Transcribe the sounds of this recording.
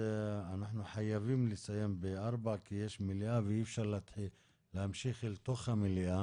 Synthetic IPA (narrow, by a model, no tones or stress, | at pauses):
anaħnuħajavimlesajembeʔaʁbaʕkijeʃmiliʔaveifʃaʁleat̪ħi | lehamʃiχilt̪o̞χhamiliʔa